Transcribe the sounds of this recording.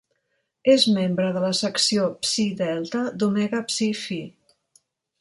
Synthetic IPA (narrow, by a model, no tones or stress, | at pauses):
ezmembɾəðələsəksiopsiðɛlˠt̪əd̪umɛɣəpsifi